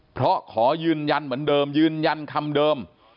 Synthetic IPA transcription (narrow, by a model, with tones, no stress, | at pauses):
pʰɾɔ˦˥kʰɔː˨˩zɨː˧nɲa˧nməː˨˦˥nɗəː˨˧mzɨː˧nɲa˧nkʰa˧mɗəː˨˧m